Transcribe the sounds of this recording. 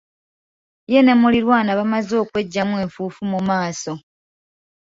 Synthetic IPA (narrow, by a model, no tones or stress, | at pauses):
je̞ne̞muliɾwaːnaβamazo̞ːkwe̞ɟːamue̞ːɱfuːfumumaːso̞